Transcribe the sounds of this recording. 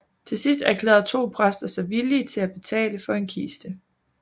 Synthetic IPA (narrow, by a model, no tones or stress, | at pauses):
t͡sʰe̝sisd̥ækʰlɛːðˠɐt͡sʰo̝̰ːpʰʁasd̥ɐsɑ̈ɪʋiliːt͡sʰe̝læb̥e̝t͡sʰɛ̰ːləfɒ̽e̝nkʰḭːsd̥ə